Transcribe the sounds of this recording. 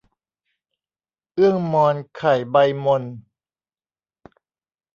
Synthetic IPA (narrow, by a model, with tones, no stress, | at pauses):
ʔɯ˥˩əŋmɔː˧nkʰa˨˩jba˧jmo˧n